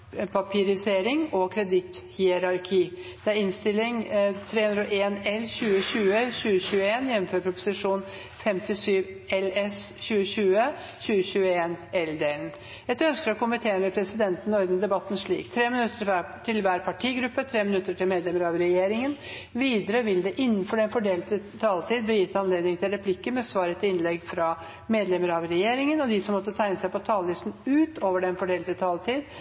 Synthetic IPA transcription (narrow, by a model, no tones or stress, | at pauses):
pʰɑpʰiːɾɪseːɾɪŋɔkʰɾɛd̪ɪt̪hiːɛɾɑɾkʰiːd̪̥ɛæɾɪnst̪ɪlːɪŋt̪ʰɾeːʉnɾəʔeːnɛlɕʉːəɕʉːəɕʉːəɕʉːəeːnjɛmːm̩føːɾpʰɾʊpʊ̥sɪʂuːn | fɛmt̪ɪsyːʋɛlɛsɕʉːəɕʉːə | ɕʉːəɕʉːəeːnɛld̪eːln̩ | ɛt̪œnskəɾɔkʰʊmːɪt̪ʰeːənəʋɛpʰɾɛsɪd̪ɛnt̪nɔɾd̪n̩d̪ɛbɑt̪ːnʂɭḭːkt̪ʰɾeːmɪnʉt̪ːət̪ʰɪlʋæːɾpʰɑʈʰiːɡɾʉpːət̪ʰɾeːmɪnʉt̪ːəʈʰɪlmeːd̪lɛməɾɑʋɾɛjeːɾɪŋən | ʋiːd̪əɾəʋɪld̪ɛʔɪnːnfɔɖɛnfɔɖeːlt̪ət̪ʰɑːlt̪ʰiːd̪̚bliːjɪt̪ːɑnleːd̪nɪŋt̪ʰɪlɾɛpʰlɪkːəmɛsʋɑːɾət̪ʰɪɪnlɛɡfɾɑ | meːd̪lɛməɾɑʋɾɛjeːɾɪŋənɔd̪ɪsɔmːɔt̪ːət̪ʰæɪnəsæɪpɔt̪ʰɑːləlɪst̪n̩ʉːt̪oːʋəɖɛnfɔɖeːlt̪ət̪ʰɑːlt̪ʰiːd̪